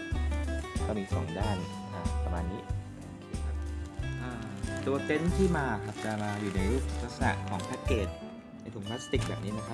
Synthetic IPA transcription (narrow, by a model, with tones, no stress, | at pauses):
kɔː˥˩miː˧sɔ̰ː˩˦ŋdaː˥˩n | ʔa˧˩pa˧maː˧nːiː˦˥ʔ | ʔoː˧kʰeː˧kʰa˦˥p̚ʔaː˧˩t̪u˧ɐke˦˥nt̪ʰiː˥˩maː˧kʰa˦˥p̚t͡ɕa˧˩maː˧juː˨˩na˧jɾuː˥˩p̚ɾa˦˥k̚sa̰˨˧˩ʔkʰɔː˩˦ŋpʰaː˦˧˥keː˨˩t̪̚ | na˧jt̪ʰu˩˦ŋpʰla˦˥st̪i˨˩k̚bɛː˨˩p̚niː˦˥na˦˥kʰa˦˥